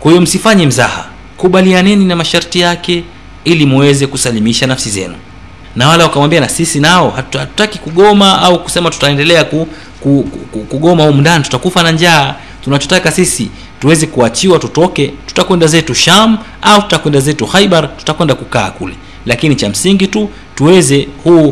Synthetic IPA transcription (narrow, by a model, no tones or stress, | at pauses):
kwahijɔm̩sifaɲɛm̩za̰ha̰ | kuɓalianɛninamaʃaɾtijakɛ | ilimuwɛzɛkusalimiʃanafsizɛ̰nu | nawalaukamwambianasisinaɔhahatu̥takikuɠɔmaauku̥sɛmatu̥taɛndɛlɛaku | kukuɠɔmahum̩ndanitu̥takufanaɲd͡ʒaː | tunat͡ʃɔtakasisi | tuwɛzɛkuat͡ʃiwatutɔkɛtu̥takwɛndazɛtuʃam | autu̥takwɛndazɛtuxaiɓaɾtu̥takwɛndakuka̰ːkṵlɛ̰ | lakinit͡ʃam̩siŋɡitu | tuwɛzɛhuː